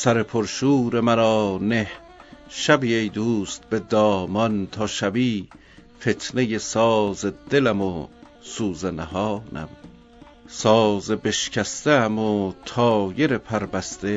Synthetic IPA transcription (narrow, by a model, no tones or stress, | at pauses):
sæɾe̞pʰoɾʃuːɾe̞mæɾɒːneh | ʃæbiejd̪uːst̪̚be̞d̪ɒːmɒnt̪ʰɒːʃæbiː | fe̞t̪ʰne̞jesɒːzed̪̥e̞læmo | suːzenæhɒːnæ̰m | sɒːzebe̞ʃcʰæst̪eæmot̪ʰɒːje̞ɾe̞pʰæɾbæst̪e